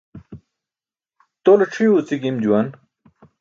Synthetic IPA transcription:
t̪oloʈ͡ʂʰijut͡siɡimd͡ʑuwan

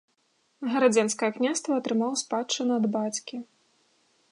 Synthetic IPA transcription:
ɣɐɾad͡zʲɛnskɐjɐknʲast̪vɐːt̪ɾɨmawspat͡ʂːɨnɨɐd̪bat͡sʲkʲi

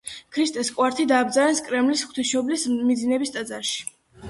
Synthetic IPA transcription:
kʰɾist̪ʼɛskʼwaɾt̪ʰid̪aːb̚d̪zaɾɛnskʼɾɛmlisχw̥t̪ʰisʃɔblismid̪zinɛbist̪ʼad̪zaɾʃi̥

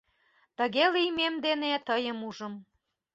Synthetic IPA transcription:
t̪ə̆ɣelijmemd̪enet̪əjəmuʒə̆m

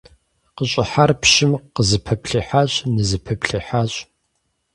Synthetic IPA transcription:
qəɕʼɪħarpʃɪmqəzɨpʰɐpɬiːħaɕʼnɨzɨpʰɐpɬiħaɕʼ

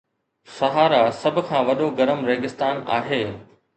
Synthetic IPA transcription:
sɐɦaːɾasɐbʱʊ̆kʰãːʋɐɗoɡɐɾəmɾeːɡɪst̪aːna̰ːɦeː

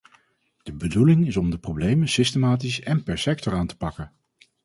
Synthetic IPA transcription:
d̥əbədulɪŋɪsɔmdəprowblejmənsɪstemaːt̬isɛnpɛɹsɛk̚tɔɹaːntə̥pɑkən

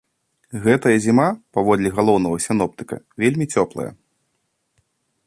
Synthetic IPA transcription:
ɣɛt̪ɐjɐzʲimapavɔd̪lʲiɣalˠɔwn̪ɐɣɐsʲinɔpt̪ɨ̥kɐ̰vʲelʲmʲit͡sʲɔplˠɐ̰jɐ̰

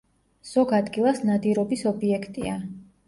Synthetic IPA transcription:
z̥ɔɡad̪ɡilˠasnad̪iɾɔbisɔbiɛkʰt̪ʼḭa

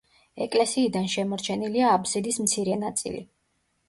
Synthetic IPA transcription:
ɛkʼlɛsiːd̪anʃɛmɔɾt͡ʃʰɛniliaːbsid̪ismt̪sʰiɾɛnat̪sʼḭlḭ

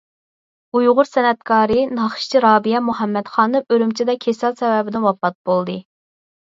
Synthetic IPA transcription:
ujʁʊɾsɛnɛt̪̚kʰɑːɾɨnɑχʃt͡ʃʰiɾɑːbijɛmuhɛmːɛt̪χɑːnɨøɾymt͡ʃʰid̪ɛkʲʰesɑlˠsɛwɛbɪd̪ɪnwɑpɑt̪̚bolˠd̪ɨ

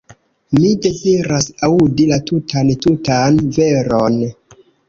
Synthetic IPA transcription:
mide̞ziɾasaudilatutʰantutanveɾon

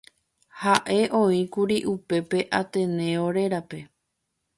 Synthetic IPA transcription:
haʔe̞ʔõ̞ĩkuɾiʔupe̞pe̞ʔat̪ẽ̞nẽ̞oɾe̞ɾape̞

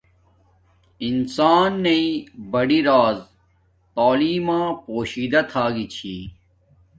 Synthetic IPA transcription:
insaːnːɐibɐɽiɾaːz | t̪aːliːmãːpoːɕiːd̪ɐt̪ʰaːɡit͡ɕʰiː

